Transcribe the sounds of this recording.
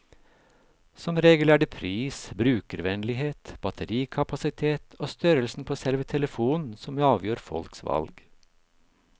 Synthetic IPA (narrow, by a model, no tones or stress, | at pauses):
sɔmɾeːɡəlæːɖɛpʰɾiːsbɾʉːkəɾʋɛnlɪɦeːt̪b̥ɑt̪ʰəɾiːkʰɑpɑsɪt̪ʰeːt̪ʰoːst̪œɾəlsn̩pʰoːsɛlʋət̪ʰɛləfuːnsɔmɑːʋjøːɾfɔ̰lksʋɑ̰lɡ